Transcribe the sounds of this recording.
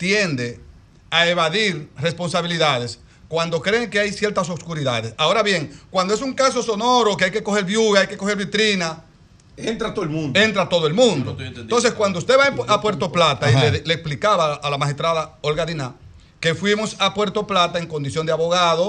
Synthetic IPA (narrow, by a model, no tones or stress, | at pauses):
t̪je̞nd̪e̞ | aeβaðiɾre̞spo̞nsaβiliðaðe̞s | kwand̪o̞kɾe̞ːŋke̞ajsje̞ɾt̪asoskuɾiðaðe̞sao̞ɾaβje̞ŋkwand̪o̞es̬uŋkaso̞so̞no̞ɾo̞keajke̞ko̞xe̞ɾβjuɣaajke̞ko̞xe̞ɾβit̪ɾina | ent̪ɾat̪olũnent̪ɾat̪o̞ðoe̞lmũnd̪oo̞ns̬e̞skwand̪oust̪e̞βaapwe̞ɾt̪o̞plat̪aileleksplikaβaːlamahest̪ɾaðaolɣaðina | ke̞fwimo̞sapwe̞ɾt̪o̞plat̪aeŋko̞nd̪isjo̞nd̪eaβo̞ɣaðo